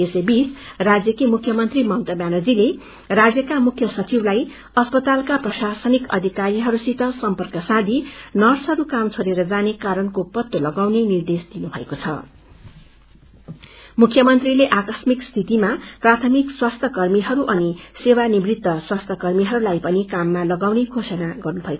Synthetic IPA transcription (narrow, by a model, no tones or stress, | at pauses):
esebisrad͡zjʌkemukʰːjʌmʌnt̪rimʌnt̪ʌbjanʌd͡zile | rad͡zjʌkamukʰːjʌsʌt͡siblaj | ʌspʌt̪alkaprʌsasʌnikʌ̰d̪ʱikaɾiɦʌɾusit̪ʌsʌmpʌrkʌsãd̪ʱinʌrsʌɾukamt͡sʰoɾeɾʌd͡zanekaɾʌnkopʌt̪ːolʌɡawnenird̪esd̪inubʱʌekot͡sʰʌ̰ | mukʰjʌmʌnt̪rileʔakʌsmikst̪ʰit̪imaprat̪ʰʌmikswast̪ʰʌkʌrmiɦʌɾuʔʌnisewanibrit̪ːʌswast̪ʰʌkʌrmiɦʌɾulajpʌnikamːalʌɡawnekʰosʌnaɡʌrnubʱʌeko